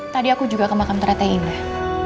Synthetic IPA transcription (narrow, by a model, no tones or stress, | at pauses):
t̪adiakud͡ʒuɡakəmakant̪əɾat̪ainlah